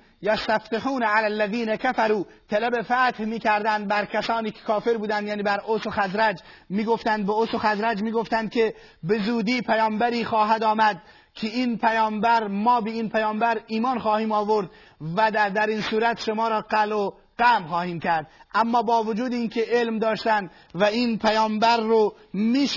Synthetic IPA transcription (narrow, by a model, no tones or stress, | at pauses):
jæst̪æft̪eħuːnæʕalælːæðiːnækʰæfæɾuː | t̪ʰælæbefæt̪hmiːkæɾd̪ænd̪̚bæɾkʰʲæsɒːniːkʰe̥kʰɒːfeɾbuːd̪ænd̪jæːniːbæɾʔosoxæzɾæd͡ʒmiːɡoft̪ænd̪̚beosoxæzɾæd͡ʒmiːɡoft̪ænd̪̚kʲʰe | be̞zuːd̪iːpʰæjɒːmbæɾiːxɒːɦæd̪ɒːmæd̪̚ | kʰeiːnpʰæjɒːmbæɾmɒːbeiːnpʰæjɒːmbæɾiːmɒːnχɒːhiːmɒːvoɾd̪ | væd̪æd̪æɾiːnsuːɾæt̪ʃomɒːɾɒːɡælo | ɡæmxɒːhiːmcʰæɾd̪ʔæmːɒːbɒːvod͡ʒuːd̪eiːnkʰʲe̞ʔelmd̪ɒːʃt̪ænd̪ | væiːnpʰæjɒːmbæɾːo | miː